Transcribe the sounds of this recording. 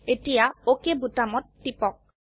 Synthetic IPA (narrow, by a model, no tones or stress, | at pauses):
etijaokebʱutamɔtːipɔk̚